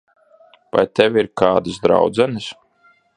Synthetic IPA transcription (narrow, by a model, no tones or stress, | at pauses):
va̰jt̪ɛvʲiɾkaːd̪ɨsd̪ɾa̰wd̪zɛnɨs